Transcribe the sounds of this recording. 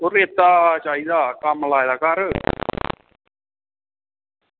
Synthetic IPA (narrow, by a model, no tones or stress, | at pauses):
oɾeːt̪aːt͡ʃaːiːd̪aːkamlaːed̪aːkaːɾə